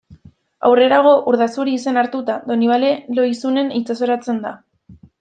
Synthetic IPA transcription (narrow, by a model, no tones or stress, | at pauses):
a̰wre̞ɾaɣ̞o̞ʔuɾðasuɾiːse̞naɾt̪ut̪aðo̞niβ̞ale̞lo̞jsune̞nit͡saso̞ɾat͡se̞nd̪a